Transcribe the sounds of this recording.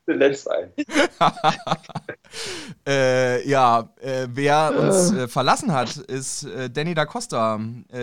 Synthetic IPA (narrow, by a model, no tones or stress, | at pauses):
elɛnz̥a̰ɪn | ʔɛːjaːʔɛːveːɐʊnsɛːfɛɐlasn̩hatɪstʔɛːdɛnidakʰɔstɐʔɛ